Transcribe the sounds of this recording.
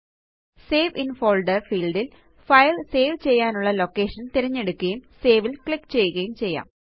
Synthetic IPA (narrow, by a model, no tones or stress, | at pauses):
seːʋinfo̞ːlɖɐrfiːlɖil | fɐjlse̞ːʋt͡ɕe̞jːaːnuɭːɐlo̞kːe̞ːʂɐnt̪iɾɐɲːe̞ɽukːɐjumseːʋilkɭikːt͡ɕe̞jːuɣɐjumt͡ɕe̞jːa̰ːm